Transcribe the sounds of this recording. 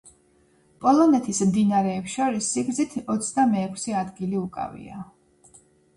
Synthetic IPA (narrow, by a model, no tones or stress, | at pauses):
pʼɔlˠɔnɛt̪ʰismd̪inaɾɛːpʃaɾisːiɡzit̪ʰɔt̪sʰd̪amɛːkʰsɛad̪ɡiliukʼa̰vḭa